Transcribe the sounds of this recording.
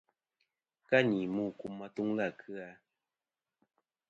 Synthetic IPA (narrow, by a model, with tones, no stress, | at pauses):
ka˦ɲi˨muː˦˨ku˦mːa˦tu˦ŋla˦˨kʰɨ˦a˦